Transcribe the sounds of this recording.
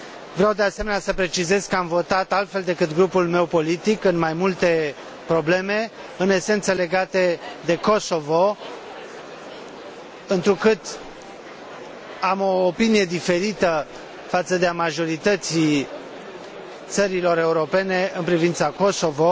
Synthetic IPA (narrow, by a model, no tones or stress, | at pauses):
vɾeawd̪e̞ase̞menasəpɾe̞t͡ʃize̞zkəamvo̞t̪at̪alt̪fe̞ld̪e̞kɨt̪ɡɾupulme̞wpo̞lit̪ikɨnmajmult̪e̞ | pɾo̞ble̞me̞ | ɨne̞se̞nt̪səle̞ɡat̪ed̪e̞ko̞so̞vo̞ | ɨnt̪ɾukɨt̪ | amo̞ːpinije̞d̪ife̞ɾit̪ə | fat̪səd̪eamaʒo̞ɾit̪ət̪si | t̪səɾilo̞ɾe̞uɾo̞pe̞ne̞ɨnpɾivint̪sako̞so̞vo̞